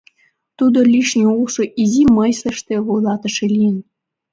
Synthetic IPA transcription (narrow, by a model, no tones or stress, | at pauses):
t̪ud̪olʲiʃnʲeulʃŏʔizimɤjslĕʃt̪ĕβojlˠɑt̪ɤ̆ʃelʲiən